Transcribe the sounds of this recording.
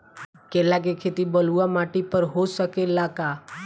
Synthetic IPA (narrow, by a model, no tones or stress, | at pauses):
kelak̬ekʰet̪ibəluamaːʈipəɾɦosəkelaka